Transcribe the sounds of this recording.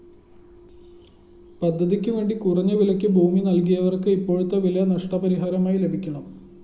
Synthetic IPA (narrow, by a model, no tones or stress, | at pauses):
pɐd̪ʱːɐðikʲːɨʋe̞ːɳɖikurɐɲːɐʋilɐkʲːɨbʱuːminɐlkijɐʋɐrkɨipːo̞ːɻut̪ːɐʋilɐjɐnɐʂʈɐpɐɾiɦaːɾɐmaːjile̞bʱikʲːɐɳɐm